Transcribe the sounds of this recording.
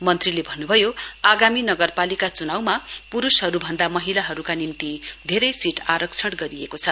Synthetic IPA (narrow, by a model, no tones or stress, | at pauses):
mʌnt̪rilebʱʌnːubʱʌjoaɡaminʌɡʌrpalikat͡sunawmapuɾusɦʌɾubʱʌnd̪amʌɦilaɦʌɾukanimt̪id̪ʱeɾʌjsiʈaɾʌksʰʌɽɡʌɾiekot͡sʰʌ